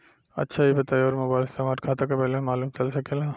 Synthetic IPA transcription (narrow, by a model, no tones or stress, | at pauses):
ɐ̰tːʃʰaibɐt̪aːjɔːɾmoːbaːɪlɪst̪eːmaːɾʈ̚kʰaːt̪akapɛɦlemaːluːmt͡ʃɐlsɐkelaː